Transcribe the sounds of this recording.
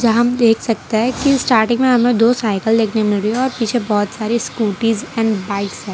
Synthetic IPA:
d͡ʒɐɦɦɐmd̪eːkʰsɐk̚t̪eɦɛkisʈaːɾʈɪ̃ŋɡmẽɦɐmẽd̪oːsaːɪkəld̪eːkʰnemɪlɾieɔːɾpiːt͡ʃʰebɔːʊt̪saːɾiskuːʈiːzɛ̃ːɳɖbaːɪksɦɛ̃ː

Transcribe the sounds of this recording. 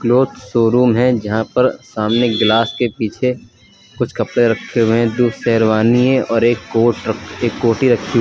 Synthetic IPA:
kloːt̪soːɾuːmɦɛ̃d͡ʒɐɦãpɐɾsaːmneɡlaːskepiːt͡ʃʰe | kʊt͡ʃʰkɐpɽeɾɐkʰeẽd̪usɛːɾʋaːniẽɔːɾeːkːoːeːkːoːʈiɾɐkʰi

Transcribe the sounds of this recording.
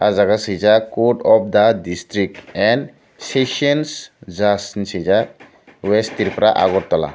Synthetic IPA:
azaɡasizakoʈɔp̚d̪adistɾik̚ʈɛ̃n | seʃɔnszasnsiza | wɛstiɾpɾaʔa̰ɡɔt̚t̪ɔla̰

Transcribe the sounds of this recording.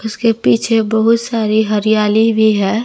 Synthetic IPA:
ʊskepiːt͡ʃʰebəɦʊt̪saːɾiɦɐɾijaːlibʱiɦɛː

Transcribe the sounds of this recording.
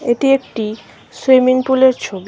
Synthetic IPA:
eʈiek̚ʈi | seminpuleɾt͡ɕʰobi

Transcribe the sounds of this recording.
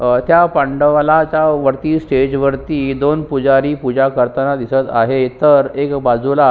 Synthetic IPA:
t̪japãɳɖəʋlat͡ɕaʋəɾt̪iːsʈed͡ʑʋəɾt̪iːd̪onpud͡zaɾiːpud͡ʑakəɾt̪ənad̪isət̪a̰ɦet̪əɾekbad͡zula

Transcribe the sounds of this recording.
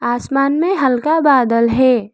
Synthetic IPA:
aːsmaːnmẽɦɐlkabaːd̪əlɦɛː

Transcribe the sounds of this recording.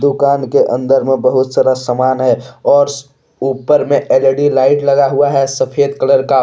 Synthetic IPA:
d̪ʊkaːnkeʔə̰̃nd̪əɾmẽbəɦʊt̪saɾəsəmaːnɦɛɔːɾ | uːpəɾmẽʔeːləɖilaːɪʈləɡaɦuaɦɛsəpʰeːd̪kələɾka

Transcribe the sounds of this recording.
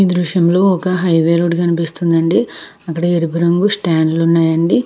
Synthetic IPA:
iːd̪ɾuʂjɐmlo̞ːɔkɐɦɐjʋeːɾoːɖkɐnipist̪und̪ɐɳɖi | ɐkːɐɽɐeɾupiɾɐŋɡusʈaːnlunːaːjɐɳɖi

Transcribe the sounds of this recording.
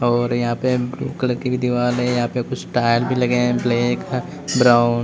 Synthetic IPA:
ɔːɾjɐɦãːpeblṵːkələɾʈibʱid̪ʱiʋaːlɦɛ̃jɐɦãpekʊt͡ʃʰsʈaːɪlbʱilɐɡeɛ̃bleːk | bɾaːʊn

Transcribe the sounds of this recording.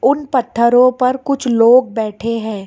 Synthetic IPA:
ʊnpɐt̪ʰːəɾõpɐɾkʊt͡ʃʰloːɡ̚bɛːʈʰeɦɛ̃ː

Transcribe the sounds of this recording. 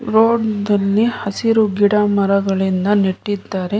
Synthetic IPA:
ɾoːɖd̪ɐlːihɐsiɾuɡiɽaːmɐɾɐɡɐɭind̪ɐniʈːid̪ːaːɾe̞

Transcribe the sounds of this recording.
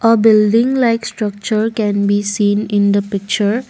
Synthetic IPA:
ʔəbɪlɖɪ̃ŋlaɪksʈɾʌk̚t͡ʃəɾkɛ̃nbiːsĩːnɪ̃nd̪əpɪk̚t͡ʃəɾ

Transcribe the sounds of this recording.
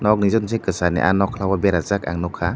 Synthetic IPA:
nɔk̚nizɔnzekɯsanɛ̰ʔa̰nɔkʰlawabeɾazak̚a̰ŋnɔkʰa

